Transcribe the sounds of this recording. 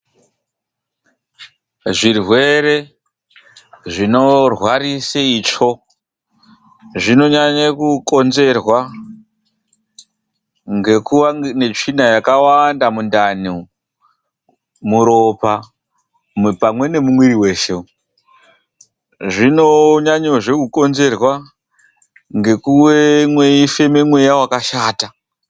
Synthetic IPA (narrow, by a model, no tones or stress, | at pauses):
ʐirwe̞ɾe̞ | ʐino̞rwariseiːt͡ʂo̞ | ʐino̞ɲaɲakuko̞nze̞rwa | ŋɡe̞kuʋane̞t͡ʂinajakawandamundani | muɾo̞pa | mpamwe̞ne̞mumwiɾiwe̞ːʃe̞u | ʐinoɲaɲoʐe̞kuko̞nze̞rwa | ŋɡe̞kuwe̞mwe̞ife̞memwe̞jawakaʃaːta